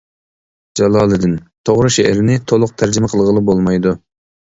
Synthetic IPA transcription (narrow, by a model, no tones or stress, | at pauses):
d͡ʒɑlˠɑːlˠɨd̪ɨnt̪ʰoʁɾɨʃɛɾɪnɪt̪ʰolˠʊq̚t̪ʰæɾd͡ʒimɛqʰəlˠʁəlˠɨbolˠmɑjd̪u